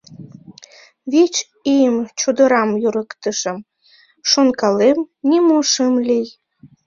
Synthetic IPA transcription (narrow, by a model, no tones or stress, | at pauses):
βet͡ɕ | ijəmt͡ɕud̪əɾɑmjuɾəkt̪əʃə̆m | ʃonkɑlemnʲimoʃəmlʲij